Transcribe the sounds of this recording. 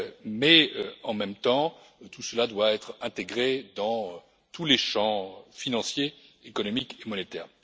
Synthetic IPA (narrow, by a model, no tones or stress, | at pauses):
mɛøɑ̃mɛmt̪ɑ̃ | t̪usəlad̪waɛt̪χɛ̃t̪eɡʁed̪ɑ̃ø | t̪uleʃɑ̃finɑ̃sjeːkɔnɔmikemɔnet̪ɛ̰ːʁ